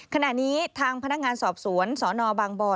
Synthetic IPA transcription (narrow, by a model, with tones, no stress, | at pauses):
kʰa˧na˨˩ʔniː˦˥t̪ʰaː˧ŋpʰa˧na˦˥k̚ŋaː˧nsɔː˨˩p̚su˨˩˦ənsɔː˩˦nɔː˧baː˧ŋbɔː˧